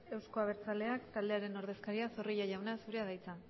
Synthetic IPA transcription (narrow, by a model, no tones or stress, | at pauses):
e̞wsko̞aβ̞e̞ɾt͡sale̞akt̪ald̪e̞aɾe̞no̞ɾðe̞skaɾiaso̞rijaʝawnasuɾe̞aðajt͡sa